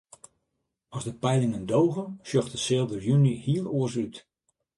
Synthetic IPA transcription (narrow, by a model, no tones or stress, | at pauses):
ɔzdəpɛjlɪŋəndowɣənʃjɔxtəsɪːlˠdərjynihiəlˠoərs̬yt